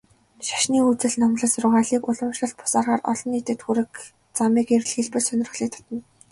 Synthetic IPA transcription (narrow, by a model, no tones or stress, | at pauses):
ʃḁʃniːut͡sɘ̆ɮnɔmɮə̆srʊʁaːɮiːkʊɮə̆mʃɮə̆ɬt̪̚pʰʊ̥saːrʁaːrʔɔ̰ɮɞ̆niːt̪ɘ̆t̪xuɾɘ̆k | t͡samiːker̆ɮxeɮpɘ̆rsœnʲɪ̆rɘ̆xɮiːk̚t̪ʰɔ̥t̪ɞ̆n